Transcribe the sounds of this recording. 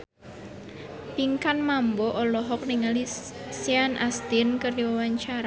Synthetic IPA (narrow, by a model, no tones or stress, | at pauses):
piŋkanmambɔʔɔlɔɦɔk̚niŋali | sianʔast̪inkərwawaɲt͡ʃaɾa